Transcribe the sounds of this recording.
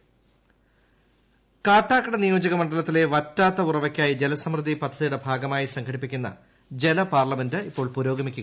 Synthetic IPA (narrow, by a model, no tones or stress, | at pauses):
kaːʈːaːkːɐɽɐnijo̞ːd͡ʑɐɣɐmɐɳɖɐlɐt̪ːile̞ʋɐtːaːt̪ːɐurɐʋɐkʲːaːjid͡ʑelɐsɐmrɨðipɐd̪ʱːɐðijɽebʱaːɡɐmaːjisɐŋkʰɐɽipːikʲːunːɐ̰ | d͡ʑe̞lɐpaːrlɐmendɨipːo̞ːɭpuɾo̞ːɡɐmikʲːuɣ